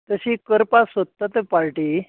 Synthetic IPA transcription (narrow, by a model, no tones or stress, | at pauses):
t̪əɕiːkəɾpasot̪ːat̪epaɭʈiː